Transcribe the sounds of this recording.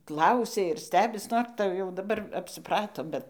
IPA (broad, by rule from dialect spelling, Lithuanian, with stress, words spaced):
ˈklˠɐʊsʲɛ ɪr ˈsʲtʲæːbʲɪs ˈnoːr tɐɪ jɛʊ dɐˈbɐr ɐpʲsʲɪˈprɑːtoː ˈbʲɛt